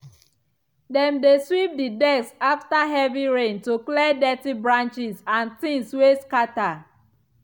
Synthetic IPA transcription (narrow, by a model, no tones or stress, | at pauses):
dɛ̃mdeswip̚didɛksaftaɦɛviɹẽntuklɛdɛtibɹãnt͡ʃizãnθĩŋsweskata